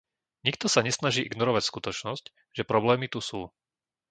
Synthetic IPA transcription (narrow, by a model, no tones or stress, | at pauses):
ɲikt̪ɔsaɲɛsnaʒiːʔḭɡnɔɾɔʋacskut̪ɔt͡ʃnɔsc | ʒɛpɾɔblɛːmit̪usuː